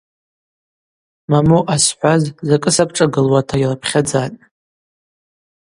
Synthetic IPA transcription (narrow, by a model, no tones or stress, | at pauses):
mamoʔasħʷazzakʼɨsapʰʈ͡ʂʼaɡɨlwatʰajrapʰχʲad͡zatʼ